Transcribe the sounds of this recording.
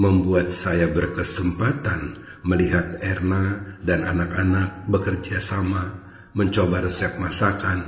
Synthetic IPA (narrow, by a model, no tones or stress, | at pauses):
məmbuat̪̚sajabərkəsəmpat̪an | məliɦat̪̚ɛrnadana̰nakanak̚bəkərd͡ʒasama | məɲt͡ʃobaɾəsiak̚masakan